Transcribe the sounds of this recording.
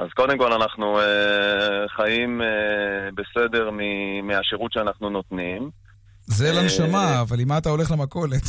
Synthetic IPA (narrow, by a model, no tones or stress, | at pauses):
ʔazko̞d̪e̞mko̞lanaχnue | χajimebese̞de̞ʁmimiaʃeʁut̪ʃeanaχnunot̪nim | zelanʃamaːvalimat̪ao̞le̞χlemako̞let̪